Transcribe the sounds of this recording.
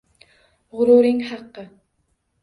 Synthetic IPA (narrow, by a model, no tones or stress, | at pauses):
ʁʊɾʊɾɪŋhɑqːɨ